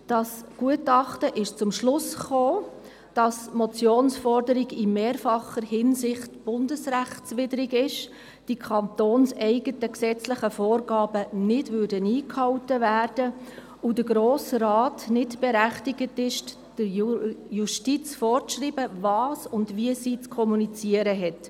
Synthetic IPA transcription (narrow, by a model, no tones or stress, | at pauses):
d̥ɑsɡ̥uətɑχtəʔɪʃt͡sʊmʃlʊsχoː | d̥ɑsmɔt͡sjoːnsfɔrdəɾiɡɪmeːɾfɑχəɾhɪnsɪχtb̥ʊndəsɾæχtt͡sʋɪdəɾɪɡɪʃ | d̥ikʰɑntoːnsɛɪɡətəksɛt͡slɪχəfoːɾɡɑːb̥ənɪdvʏrdəniːkhɑwtəvæːrd̥ə | ʊdəɡɾoːsɾɑːtnɪtb̥eɾæχtiɡətɪʃ | d̥əɾjuʃtit͡sfɔːrt͡sʃriːbəvɑːsʊndʋiəsiːt͡skʰɔmunit͡siəɾəɦɛt